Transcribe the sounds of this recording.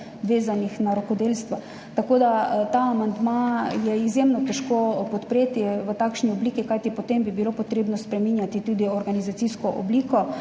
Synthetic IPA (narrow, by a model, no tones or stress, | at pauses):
ʋeːzanixnaɾakod̪elst̪ʋa | t̪akoːd̪at̪aːmand̪majɛizjemnɔt̪ɛʃkopɔt̪pɾeːt̪iʋət̪akʃniobliːkikajt̪ipot̪embibilopot̪ɾeːbnɔspɾɛminjat̪it̪ud̪iɔɾɡanizat̪siskɔʔo̰bliːkɔ